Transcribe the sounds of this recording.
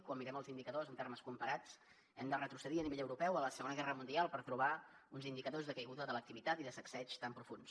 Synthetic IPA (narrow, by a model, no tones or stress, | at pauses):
kwamːiɾɛməlˠzind̪ikəðozənt̪erməskumpəɾat͡s | ɛmd̪ərət̪ɾusəðiəniβeʎəwɾupɛwələsəɣonəɣɛrəmund̪ialˠpəɾt̪ɾuβaunzind̪ikəðozðəkəjɣuðəðələk̚t̪iβit̪at̪iðəsəksɛt͡ʃt̪ampɾufuns